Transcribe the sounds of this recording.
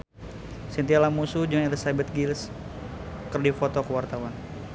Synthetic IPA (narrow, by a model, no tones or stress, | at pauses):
sint̪ialamusud͡ʒəŋanelisabət̪̚ɡils | kərdifot̪ɔkəwart̪awan